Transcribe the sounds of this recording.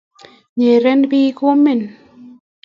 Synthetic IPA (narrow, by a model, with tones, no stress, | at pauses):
ɲe˨ɾe˧˦nbiː˧ku˦mːi˦˨n